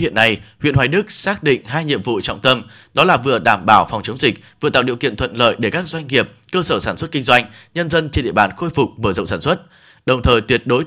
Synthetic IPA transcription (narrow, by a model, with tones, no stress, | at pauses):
ḭ˧˨ənːa˧jhwḭ˧˨ənhwaː˨˩jɗɨ˦˥k̚saː˦˥k̚ɗḭ̈˧˨ŋ̟ɦaː˧jɲḭ˧˨əmvṵ˧˨t͡ɕɔ̰˧˨ŋ͡mt̪ə˧m | ɗɔ˨˦laː˨˩vɨ̰˧˨əɗaː˧˩mɓaː˧˩wfɔ˨˩wŋ͡mt͡ɕə˨˦wŋ͡mzï˨˩k̚vɨ̰˨t̪a̰ː˧˨˩ḭ˧˨əwkḭ˧˨ənt̪ʰwə̰˧˨nlə̰ː˧˨jɗe˧˩kaː˦˥k̚zwa˧jŋ̟ŋi˨˩əp̚kəː˧səː˧˩saː˧˩nswə˦˥t̚kï˧ŋ̟zwa˧jŋ̟ɲə˧nzə˧nt͡ɕe˧nɗḭ˧ə˨ɓaː˨˩nxo˧jfʊ˨˩k͡p̚məː˧˩zə̰˧˨ŋ͡msaː˧˩nswə˦˥t̚ | ɗə˨˩wŋ͡mt̪ʰəː˨˩jt̪wi˦˥ət̚ɗo˨˦j